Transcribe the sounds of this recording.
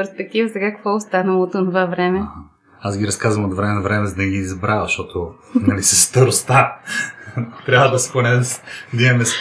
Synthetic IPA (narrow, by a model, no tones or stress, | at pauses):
ɛɾspɛk̚t̪ivəzɐɡakvɔost̪anɐlˠot̪onovavɾɛmɛh | asɡʲiɾɐskazvəmot̪vɾɛmɛnvɾɛmɛzd̪ɐɡiːzbɾavəʃt̪ɔt̪o | nɐlisɐsːt̪ɐɾost̪a | t̪ɾʲjavəd̪ɐsponɛsd̪iɛmɛs